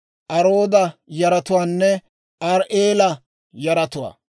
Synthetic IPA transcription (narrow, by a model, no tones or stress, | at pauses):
ʔɐɾoːd̪ɐjɐɾɐt̪ʊwaːnːɛ | ʔɐɾʔeːlɐ | jɐɾɐt̪ʊwa̰ː